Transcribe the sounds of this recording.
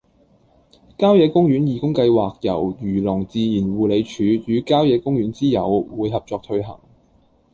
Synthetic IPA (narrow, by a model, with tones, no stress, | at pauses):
kaː˥wjɛː˨˧kʊ˥ŋjyː˨˥njiː˨kʊ˥ŋkɐ˧jwaː˨k̚jɐ˨˩wjyː˨˩lʊ˨˩ŋt͡siː˨˧jiː˨˩nwuː˨le˨˧jt͡ʃʰyː˨˧t͡ʃyː˨˥kaː˥wjɛː˨˧kʊ˥ŋjyː˨˥nt͡siː˥jɐ˨˧wwuː˨˧jhɦɐ˨p̚t͡ʃɔː˨k̚t̪ʰɵ˧ɥɦɐ̰˨˩ŋ